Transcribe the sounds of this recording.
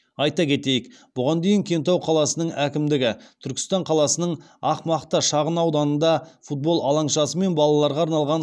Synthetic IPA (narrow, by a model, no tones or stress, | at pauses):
ɑjt̪ɑkʲʰe̞t̪e̞jɪkb̥ʊʁɑnd̪e̞jɪŋkʲʰe̞nt̪ɑwqʰɑlˠɑsənəɴækʲɪmd̪ɪɡʲɪt̪ʰʏɾkʲɪ̥st̪ɑɴqʰɑlˠɑsənəɴ | ɑqmɑqt̪əʃɑʁənɑwd̪ɑnənd̪ɑfut̪̚bo̞lˠɑlˠɑɴʃɑsəme̞nbɑlˠɑlˠɑɾʁɑːɾnɑlˠʁɑn